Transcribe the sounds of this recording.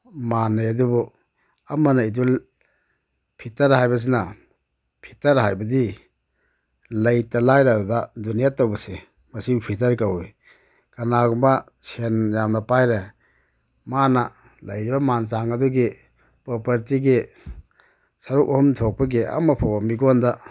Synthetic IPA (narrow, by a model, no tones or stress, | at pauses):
manːajadubɔ | amanaidul | pʰitaɾhajbɐs̬ina | pʰi̥taɾɦajbɐdi | lajtalajɾadudadunijatawbɐse | mɐsipʰitɐɾkaw | kanaɡumba | senjamnɐpajɾe | mana | lɐjɾibɐmansaŋɐduɡe | pɔpɐɾtiɡe | saɾukɔhɔmtʰɔk̚pɐɡeɐ̰mapʰawamiɡɔnda